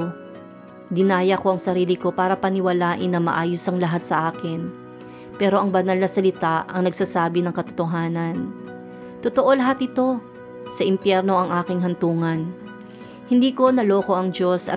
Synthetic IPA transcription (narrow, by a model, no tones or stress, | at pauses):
d̪ɪnaːjɐko̞ʔɐŋsɐɾiːlɪko̞paːɾɐpɐnɪwɐlaːʔɪnːɐmɐ̰ʔaːjʊsɐŋlɐɦat̪̚sɐʔaːkɪn | pɛːɾo̞ʔɐŋbɐnɐlnɐsɐlɪt̪aʔɐ̰ŋnɐɡ̚saːsaːbɪnɐŋkɐt̪ot̪oɦaːnɐn | t̪ot̪oʔo̞lɐɦat̪ɪt̪o̞ | sɐʔɪmpjɛɾno̞ʔɐŋʔaːkɪŋɦɐnt̪uːŋɐn | hɪnd̪iːko̞nɐlo̞ːko̞ʔɐŋd͡ʒo̞sɐ̰